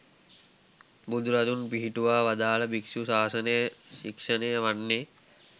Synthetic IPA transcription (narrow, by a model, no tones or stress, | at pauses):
bud̪ʱuɾad̪unpiɦiʈuʋaːʋad̪aːləbiksusaːsənəjəʃikʂənəjəʋanːe